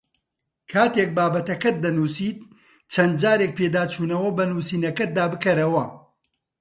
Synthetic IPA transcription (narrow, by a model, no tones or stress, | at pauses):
kʰaːt̪ek̚baːbɐt̪ɐkɐt̪̚d̪ɐnuːsiːt̪̚ | t͡ʃʰɐnd̪̚d͡ʒaːɾek̚pʰeːd̪aːt͡ʃuːnɐwɐbɐnuːsiːnɐkɐt̪̚d̪aːbɨkɐɾɐwɐ